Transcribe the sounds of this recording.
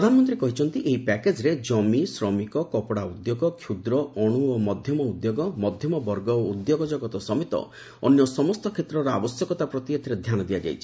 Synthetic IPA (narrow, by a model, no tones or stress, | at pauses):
ɾɔd̪ʱanɔmɔnt̪ɾiekɔɦit͡ʃʰɔnt̪iʔeɦipɛked͡ʒɾed͡ʒɔmisɾɔmikɔkɔpɔɽaud̪joɡɔkʰjud̪ɾɔɔɽ̃uomɔd̪ʱjɔmɔud̪joɡɔmɔd̪ʱjɔmɔbɔɾɡɔoud̪joɡɔd͡ʒɔɡɔt̪ɔsɔmet̪ɔ̰ | ɔnjɔsɔmɔst̪ɔkʰet̪ɾɔɾɔabɔsjɔkɔt̪apɾɔt̪iat̪ʰiɾed̪ʱjanɔd̪iad͡ʒa̰jt͡ʃʰi̥